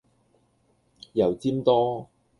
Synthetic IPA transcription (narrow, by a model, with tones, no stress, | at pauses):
jɐ˨˩wt͡siː˥mt̪ɔː˥